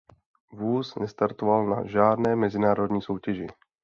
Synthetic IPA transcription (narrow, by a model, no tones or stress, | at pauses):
vuːsnɛst̪aɾt̪ovalna̰ʒaːdnɛːmɛzɪnaːɾo̞dɲiːso̞wcɛʒɪ